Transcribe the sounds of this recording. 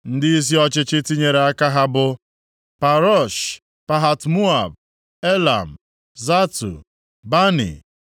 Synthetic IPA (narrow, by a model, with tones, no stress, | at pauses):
n̩˦dɪ˦i˦s̬i˦ɔ˦t͡ʃɪ˦t͡ʃɪ˦ti˦ɲe˨ɾe˨a˦ka˦ɦa˦bʊ˦ | pa˨ɾɔ˦˨ʃ | pa˨ɦa˨tmu˦a˨b̚ | e˦la̰˨m̩˨ | za˦tṵ˨ | ba˦nḭ˨